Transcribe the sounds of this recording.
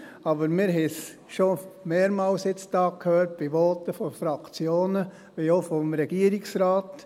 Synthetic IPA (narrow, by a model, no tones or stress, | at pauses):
ɑbəɾmɪɾɦɛs | ʃomeːɾmɑːlsɪt͡sd̥ɑːkʰhøːɾt̚b̥iʋɔːtəfɔfɾɑkt͡sjoːnə | ʋiofɔmɾɛɡ̥iəɾiksɾɑːt